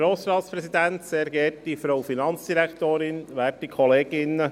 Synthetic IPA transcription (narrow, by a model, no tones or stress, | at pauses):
ɾoːsɾɑːt̪spɾɛsid̪ænt̪sɛɾɡɛːtdifɾowfinɑnt͡sd̥̪iɾækt̪oːɾɪnʋæːtːikʰɔleːɡɪnːə